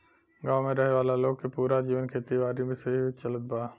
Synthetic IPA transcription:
ɡãːmẽɾəɦeʋaːlaloːɡ̚kepuːɾad͡ʒiːʋənkʰeːt̪iʋaːɾibʱẽseiit͡ʃɐlət̪̚baː

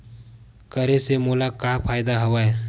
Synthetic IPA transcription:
kəɾesemoːlakapʰaːjd̪aɦɐʋaːe

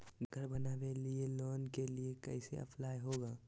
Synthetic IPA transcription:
ɡʱəɾbənaːbelieloːnkeliekɛɪsḛə̰pʰlaːjɦoːɡaː

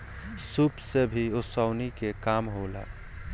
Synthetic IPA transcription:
supsebʱiʊsaʊnikekaːmɦoːla̰ː

